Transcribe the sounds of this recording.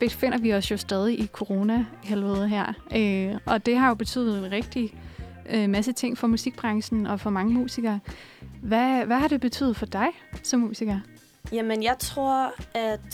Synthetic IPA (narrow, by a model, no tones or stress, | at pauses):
b̥e̝fe̝n̰ɐʋiɒ̽sjo̝sd̥ɛːð̞ˠiʔikʰo̝ʁo̝ːnæhelʋɛð̩ˠɦæɐ̰øʔɒ̽d̥e̝ɦɑ̈jo̝b̥e̝t͡sʰy̰ːð̩ˠenʁɛɡ̥̚d̥i | ømæs̬ət͡sʰe̝ŋ̰fɒ̽musiɡ̥̚b̥ʁɑ̈ŋsn̩ɒ̽fɒ̽mɑ̈ŋəmṵːsiɡ̥ɐːʋæʋæɦɑ̈ɾ̥e̝b̥e̝t͡sʰy̰ːð̩ˠfɒ̽d̥ɑ̈ɪ | sɒ̽mːṵːsiɡ̥ɐ | jæmənjɑ̈ɪt͡sʰʁo̝ɐ̰æd̥